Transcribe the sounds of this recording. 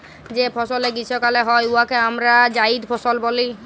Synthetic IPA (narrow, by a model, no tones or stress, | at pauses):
d͡ʒepʰɔsɔleɡisɔkaleɦɔjuakeamɾad͡ʒaid̪pʰɔsɔlbɔli